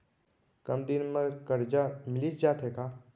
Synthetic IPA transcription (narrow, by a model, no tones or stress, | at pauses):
kɐmd̪ɪnməɾkəɾd͡ʒamɪlit͡ʃd͡ʒaːt̪ɦeːkaː